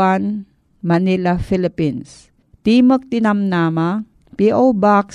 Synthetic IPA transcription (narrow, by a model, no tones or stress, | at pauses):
an | mɐnilafilɪpins | t̪imək̚t̪inamnama | piʔowbaks